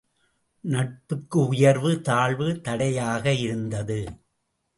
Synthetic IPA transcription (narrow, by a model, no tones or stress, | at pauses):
nɐʈ̚pɯkːɯʊjɐɾʋɯt̪aːɭʋɯt̪ɐɽɐjaːɣɐɪɾɯnd̪ɐðɯ